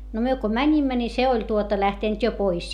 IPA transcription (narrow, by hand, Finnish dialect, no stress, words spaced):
no myø ko mænʲimːæ ni se olʲ tuotɑ læhteˑnt jo pois